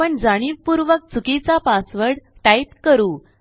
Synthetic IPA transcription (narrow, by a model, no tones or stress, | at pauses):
əɳd͡zaɽ̃ipuɾʋək̚t͡sukit͡sapasʋəɽʈajpkəɾuː